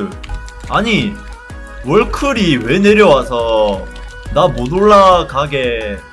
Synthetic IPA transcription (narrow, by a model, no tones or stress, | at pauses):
aɲi | wʌɭkʰɯɾiwe̞ne̞ɾjʌwasʰʌ | namonoɭːaɡaɡe̞